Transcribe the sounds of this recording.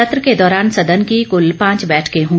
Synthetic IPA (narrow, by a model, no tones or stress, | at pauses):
ɐt̪ɾəked̪ɔːɾaːnsɐd̪ənkikʊlpãːt͡ʃbɛːʈʰkeɦõː